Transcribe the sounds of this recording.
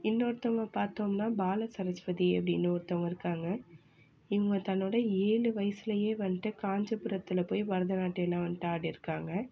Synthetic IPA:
ɪnːoːɾt̪ːɐmɐpaːɾt̪oːmnaːbaːlɐsɐɾɐt͡ʃpɐðiɛ̰pːɐɽɪnːoːɾɯt̪ːɐmɪɾɯkːaːŋɡɐ | ɪŋɡɐt̪ɐnːoːɽɐeːɭɯʋɐjɐsɪlɐjeːʋɐnːʈːɯkaːɲd͡ʒɐpɯɾɐt̪ːɪlɐpoːjʋɐɾɐðɐnaːʈːɯɛlːãːʋɐnʈaːɽiɪɾɯkːaːŋɡɐ

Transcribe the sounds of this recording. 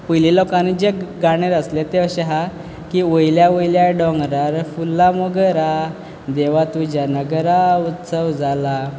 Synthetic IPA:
pujlilɔkãnid͡ʑeɡaɽ̃eɾəslet̪eɕɛɦa | kiʋojljaʋəjljaɖɔŋɡɾaɾfulːamɔɡəɾa | d̪eʋat̪ud͡ʑanəɡəɾaut̪səwd͡zala

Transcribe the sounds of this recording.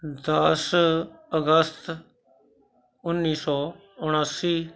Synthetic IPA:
d̪əsəɡəst̪ | ʊnːiːsɔː | ʊɽ̃aːsiː

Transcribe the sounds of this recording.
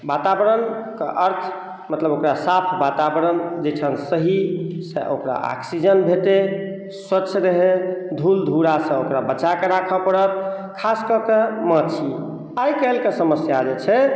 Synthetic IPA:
bat̪abəɾənkeʔəɾt̪ʰ | mət̪ləbokɾasapʰbat̪abəɾənd͡ʒeʈʰənsəɦisḛʔo̰kɾa̰ʔa̰ksid͡ʒənbʱeʈe | swətːt͡ʃʰɾəɦed̪ʱuld̪ʱuɾasə̃okɾabət͡ʃakeɾakʰəpəɽət̪̚kʰaskəkemət͡ʃʰi | ajkəlkesəməsjad͡ʒet͡ʃʰɛ

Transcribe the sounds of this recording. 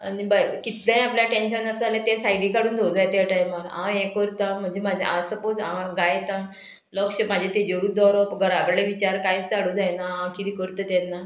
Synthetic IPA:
a̰nibakit̪lãj̃apljaʈẽnɕənəsəalat̪esajɽiːkaɽuːnd̪ʱod͡zajt̪jaʈajmaɾã̰jɛ̃kəɾt̪ãm̤əɳd͡ʑemad͡ʑʱḛãsəpot͡sãɡajt̪ã | lɔkɕəmad͡ʑʱet̪ed͡ʑəɾuːd̪ɔɾɔpɡəɾaɡɾleʋit͡ɕaɾkãĩt͡st͡saɽũːd͡zajnaãkit̪iːkəɾt̪ət̪ɛnːa

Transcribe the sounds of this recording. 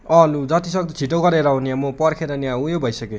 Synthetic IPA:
ʌlud͡zʌt̪isʌɡ̚d̪ʌt͡sʰiʈoɡʌɾeɾʌɦunijãmopʌrkʰeɾʌniãujobʱʌjsʌke

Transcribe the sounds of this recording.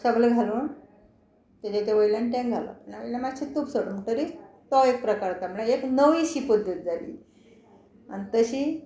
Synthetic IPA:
səbleɡʱaluːɳ | t̪ed͡ʑet̪aʋəjlanʈɛ̃ŋɡʱala̰pəɳʋjlãmad͡ʑɕit̪upsəɽuːɳt̪əɾit̪ɔek̚pɾəkaɾt̪amɭaeknəʋiɕipud̪ʱːet̪̚d͡zalḭː | a̰nit̪əɕiː

